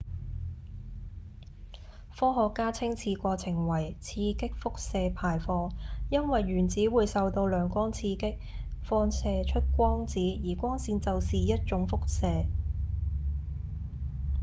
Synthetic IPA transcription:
fɔː˥ɦɔː˨˧kːaː˥t͡sʰɪ˥ŋt͡sʰiː˧kʷɔː˧t͡sʰɪ˨˩ŋwɐ˨˩jt͡sʰiː˧kɪ˥k̚fʊ˥k̚sɛː˧pʰaː˨˩jfɔː˧ŋjɐ˥nwɐ˨jɥyː˨˩nt͡siː˨˥wuː˨˧jsɐ˨wt̪o˧wlœː˨ŋkʷɔː˥ŋt͡sʰiː˧kɪ˥k̚ | fɔː˧nsɛː˧t͡ʃʰɵ˥t̚kʷɔː˥ŋt͡siː˨˥jiː˨˩kʷɔː˥ŋsiː˧nt͡sɐ˨wsiː˨jɐ˥t̚t͡ʃʊ˨˥ŋfʊ˥k̚sɛː˧

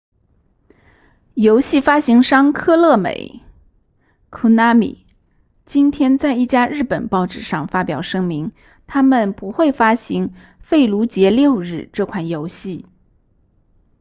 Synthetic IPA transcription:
jo˧˥ʊɕi˥˩fa˥ɕi˧˥ŋʂɑ˥ŋkʰɤ˥˧lɤ˥˩mḛ˨˩˦ɪ | kʰu˧˥na˧˥mḭ˨˩˦ | t͡ɕi˥nt̪ʰjɛ˥nt͡sa˥˧ɪi˥˩t͡ɕja˥ɻɻ̩˥˩pə˨˩npɑ˥˧ʊʈ͡ʂɻ̩˥˩ʂɑ˥˩ŋfa˥pjɑ˨˩ʊʂɤ˥ŋmi˧˥ŋ | t̪ʰa˥mə˨npu˧˥xwe˥˩ɪfa˥ɕi˧˥ŋ | fe˥˩ɪlu˧˥t͡ɕjɛ˧˥ljo˥˧ʊɻɻ̩˥˧ʈ͡ʂɤ˥˧kʰwa˥˩njo˧˥ʊɕi˥˩

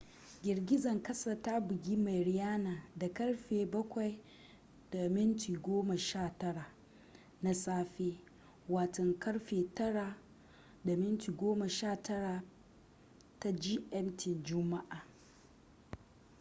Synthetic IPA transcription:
ɡʲɪ˨ɾɡʲɪ˦zɐ˨ŋkɐ˦sa˨ta˦bʊ˨ɡʲi˦ma˨jɾɪ˨jaː˦naː˨da˨kɐ˦ɽɸeː˨bɐ˦kʷa˨j | d̥a˨mɪ˦ntiː˨ɡʷoː˦ma˨ʃaː˦˨tɐ˦ɽa˨ | na˦saː˦ɸeː˦ | waː˨tɔ˨ŋkɐ˦ɽɸeː˨tɐ˦ɽa˨ | da˨mɪ˦ntiː˨ɡʷoː˦ma˨ʃaː˦˨tɐ˦ɽa˨ | ta˦d͡ʒi˦ʔɛ˦mtɪ˨nd͡ʒʊ˦ma˦ʔaː˨

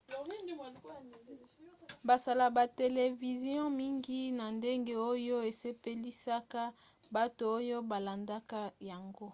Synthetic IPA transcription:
ba˨sa˨la˨ba˨te˨le˨vi˨zjɔ̃˦mi˦ŋɡi˦na˨nde˦ŋɡe˦o˦jo˦e˨se˦pe˦li˦sa˦ka˦ | ba˦to˨o˦jo˦ba˨la˨nda˦ka˦ja˨ŋɡo˦

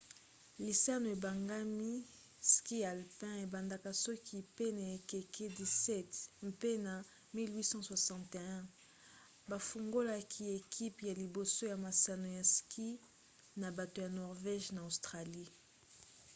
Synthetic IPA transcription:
li˨sa˦no˨e˨ba˨ŋɡa˦mi˦ | ski˦ja˨lpɛ̃˦e˨ba˨nda˦ka˨sɔ˦kʰi˦pe˦na˨e˨ke˨ke˦di˨sɛ˦tmpe˦na˨ | mi˦lwi˦sɑ̃˦swa˨sɑ̃˨te˨ɛ̃˦ | ba˨fu˨ŋɡo˦la˦kʰi˦e˨kʰi˦pja˨li˨bo˨so˦ja˨ma˨sa˨no˨ja˨skʰi˦ | na˨ba˨to˨ja˨nɔ˨ʁvɛ˦ʒna˨o˨stʁa˨li˦

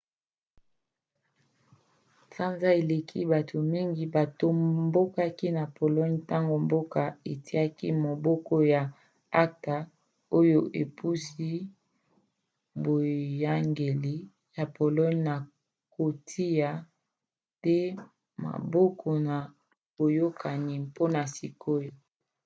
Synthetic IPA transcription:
sa˦nza˦e˨le˨kʰḭ˦ba˨tʰo˨mi˦ŋɡi˨ba˨to˨mmbo˦ka˦ki˦na˨po˨lɔ˦ɲta˦ŋɡo˨mbo˦ka˨e˨ti˦a˦ki˦mo˨bɔ˦kɔ˦ja˨ | a˦ta˨ | o˦jo˦ʔe˨pu˦si˦ | bo˨ja˦ŋɡe˨li˦ | ja˨pʰo˨lɔ˦ɲna˨ | ko˨tʰi˦ja˨ | te˦ | ma̰˨bɔ˦kʰɔ˨na˨ | b̥o˨jo˦kʰa˨ni˨po˦na˨si˨ko˦jo˨

